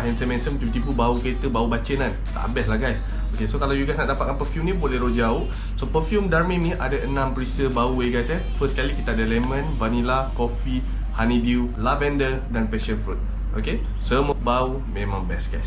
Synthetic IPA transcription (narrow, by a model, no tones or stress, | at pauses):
ɦɛnsəmɛ̃nsəmt̪ubt̪ipubaukəɾet̪əbaubat͡ʃənan | t̪a̰ʔa̰bɛslahɡajs | okesokalawjuɡajsnaʔdapat̪̚kanpəfjumnĩbolɛɦɾod͡ʒaoh | sopəfjumdarmĩnnĩʔadaʔənãmpəɾisəbauweɡajsə | fəskalikit̪aadəlɛmə̃nvanilakofi | hanidiu | lavɛndə | danpɛʃənfɾut̪̚ | ʔo̰ke | səməbau | mẽmãŋbɛsɡa̰js